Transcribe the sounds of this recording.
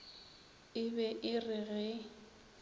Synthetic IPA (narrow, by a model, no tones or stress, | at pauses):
ɪbɛʔɪrɪɣɛ